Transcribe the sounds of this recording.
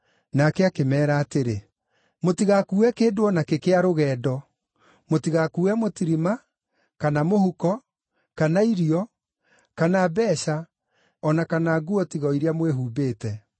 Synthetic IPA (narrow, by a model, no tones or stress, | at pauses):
nakɛakemɛːɾaːteɾe | motiɣakuːɛkeːdoɔnakekeaɾoɣɛːdɔ | motiɣakuːɛmotiɾima | kanamohukɔ | kanaiɾiɔ | kanabɛːɕa | ɔnakanaːɡuɔtiɣɔiɾeamweɦuːbeːtɛ